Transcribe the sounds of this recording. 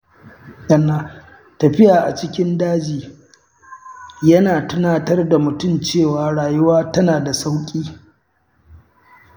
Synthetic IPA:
sɐ˦˨nːaː˦ | tɐ˨ɸɪ˦jaː˨ʔa̰˨t͡ʃɪ˦kʲɪ˦ndaː˦d͡ʒiː˨ | jɐ˦naː˨tʊ˦naː˦tɐ˦rda˨mʊ˨tʊ˦˨mt͡ʃeː˦˨waː˨ɽaː˨jʊ˦waː˦tɐ˦naː˨da˨sa˦wkʲʼiː˦

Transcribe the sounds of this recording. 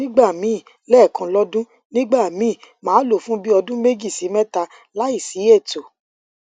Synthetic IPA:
nĩ˦ɡ͡ba˦˨mĩ˨˦˨ | lɛ˦˨kã˧lɔ˦dũ˦ | nĩ˦ɡ͡ba˦˨mĩ˨˦˨mãː˨˦lo˦˨fũ˦bi˦ɔ˧dũ˦me˦d͡ʒi˦˨si˨˦mɛ˦ta˧ | la˦i˦˨si˨˦e˦˨to˨

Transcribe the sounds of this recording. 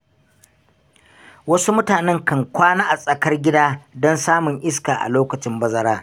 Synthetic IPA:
wɐ˦su˦mʊ˦taː˨nɛ˦ŋkɐ˦ŋkʷaː˦naː˦ʔa˨sʼɐ˨kɐ˦rɡʲɪ˦daː˦dɔ˦nsaː˦mʊ˨ŋʔɪ˦skaː˨ʔa̰˨loː˦kɐ˨t͡ʃɪ˦mbɐ˦zɐ˦ɾaː˦

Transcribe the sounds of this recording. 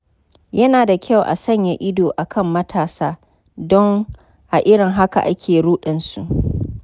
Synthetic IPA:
jɐ˦naː˨da˨kʲʰa˦˨wʔa̰˨sɐ˦˨ɲja˨ʔɪ˦doː˨ʔa˨kʰɐ˦mːɐ˦tʰaː˨saː˦ | dɔ˦ŋ | ʔa˨ʔɪ˦ɽɪ˨ŋɦa˦ka̰˨ʔa˦kʲʰeː˨ɽuː˦ɗɪ˨nsu˨ʔ

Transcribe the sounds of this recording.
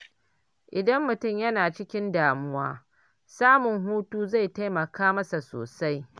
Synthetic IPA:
ʔɪ˨dɐ˦mːʊ˨tʊ˦˨mjɐ˦naː˨t͡ʃɪ˦kʲɪ˦ndaː˨mʊ˦waː˦ | saː˦mʊ˨ŋɦuː˦tuː˦za˦˨jta˦jmɐ˨kaː˦mɐ˦sa˨so̰ː˨sa˦j

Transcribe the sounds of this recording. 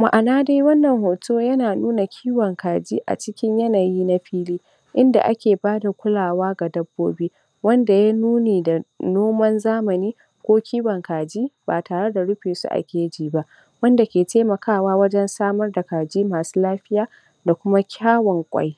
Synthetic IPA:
ma̰˨ʔa˨naː˦da˦jwɐ˦nːɐ˨ŋhoː˨tʰoː˦jɐ˦naː˨nuː˦na˨kʲʰiː˦wɐ˨ŋkaː˨d͡ʒiː˦ʔa̰˨t͡ʃɪ˦kʲɪ˦ɲjɐ˦naː˨jiː˦na˦ɸiː˦liː˦ | ʔɪ˦nda̰˨ʔa̰˦kʲeː˨baː˦da˨kʷʊ˦laː˨waː˦ɡa˨dɐ˦bːoː˦biː˦ | wɐ˦nda˨jaː˦nuː˦neː˨da˨noː˦mɐ˦nzaː˦mɐ˨niː˦ | kʷoː˦kʲiː˦wɐ˨ŋkaː˨d͡ʒiː˦baː˨taː˨ɽe˦da˨ɽʊ˦ɸiː˨sṵ˦ʔa̰˨kʲeː˦d͡ʒiː˨ba˦ʔ | wɐ˦nda˨kʲeː˨teː˦mɐ˨kʰaː˦˨waː˦wɐ˦d͡ʒɛ˦nsaː˦mɐ˦rda˨kaː˨d͡ʒiː˦maː˨su̥ː˦laː˦ɸɪ˦jaː˦ | da˨kʷʊ˦ma˦kʲʰaː˦wɔ˨ŋkʷʼɐ̰˦j

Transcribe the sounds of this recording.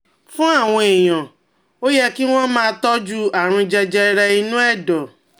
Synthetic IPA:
fũ˦a˦˨w̃ɔ̃˧e˨j̃ã˨ | o˦jɛ˦ki˦w̃ɔ̃˦mãː˦˧tɔ˦d͡ʒu˦a˨ɾ̃ũ˧d͡ʒɛ˧d͡ʒɛ˧ɾɛ˧i˧nũ˦ɛ˦˨dɔ˨

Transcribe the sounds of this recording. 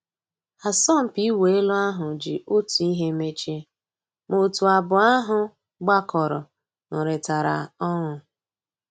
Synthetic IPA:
a˨sɔ˦˨m̩˨pi˦we˨e˦lʊ˦a˦ɦʊ˨d͡ʒi˨ʔo˦tu˨i˦ɦe˦me˦t͡ʃe˦ | mo˨tu˨a˨bʊ˨a˦ɦʊ˨ | ɡ͡ba˦kɔ˨ɾɔ˨ | nʊ˨ɾe˨ta˨ɾa̰˨ɔ˦ŋʊ˨

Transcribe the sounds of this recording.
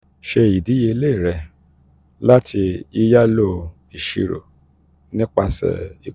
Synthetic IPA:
ʃe˧i˨di˨˦je˧˦le˦˨ɾɛ˧ | la˦tʰi˧i˦˧ja˦lo˦ | i˨ʃḭ˧ɾo̰˨ | nĩ˦k͡pa˧sɛ̰˨i˨

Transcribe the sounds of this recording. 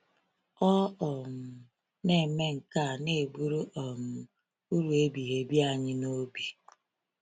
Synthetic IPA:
ɔ˦ɔ˨m̩˨ | ne˨me˦ŋ̩˨ka˦˨ne˦˨e˨bu˦ɾu˦ʔɔ˨m̩˨ | u˦ɾu˨e˦bi˨ɦe˨bi˦a˨ɲɪ˦no˦bi˨

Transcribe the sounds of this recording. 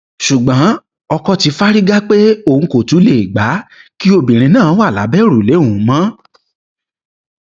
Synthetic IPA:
ʃu˨ɡ͡bã˨˦ | ɔ˧kɔ˧ti˧fa˦ɾi˦ɡa˦k͡pe˦o˦˨ŋ̩̃˨˧ko˨tu˨˦le˦˨i˨ɡ͡ba˨˦ki˦o˧bĩ˨ɾ̃ĩ˧nãː˦wa˦˨la̰˨˦bɛ˦˨ɾu˨lẽ˨˦˨mã˦

